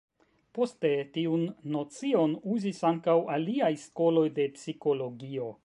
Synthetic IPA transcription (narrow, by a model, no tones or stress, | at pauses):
po̞ste̞tiunːo̞t͡sio̞nuzisaŋkawaliajsko̞lo̞jde̞psiko̞lo̞ɡio̞